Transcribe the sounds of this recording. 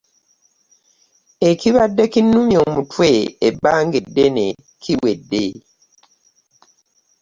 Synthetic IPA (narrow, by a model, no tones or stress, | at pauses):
ekiβadːekinːumjo̞ːmutʰweːbːaːŋɡedːene | kʰiwe̞dːe